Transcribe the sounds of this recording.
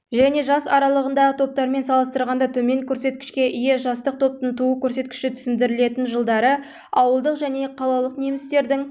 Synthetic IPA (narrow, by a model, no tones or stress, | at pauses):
ʒæne̞ʒɑsɑɾɑlˠəʁənd̪ɑʁət̪ʰo̞p̚t̪ɑɾme̞nsɑlˠəst̪əɾʁɑnd̪ɑt̪ʰɵme̞ŋkʲʰɵɾse̞t̪̚kʲɪ̥ʃkʲe̞ʔijɪʒɑst̪əq̚t̪ʰo̞p̚t̪ənt̪ʰuəkʲʰɵɾse̞t̪kʲɪ̥ʃɪt̪ʰʏ̥sɪnd̪ɪɾɪle̞t̪ɪnʒəlˠd̪ɑɾə | ɑwəlˠd̪əqʒæne̞qʰɑlˠɑlˠəqne̞mɪst̪e̞ɾd̪ɪŋ